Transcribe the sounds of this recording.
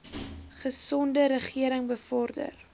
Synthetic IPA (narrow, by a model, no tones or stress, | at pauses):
χəsɔndəɾəχiəɾəŋbəfɔrdə̰r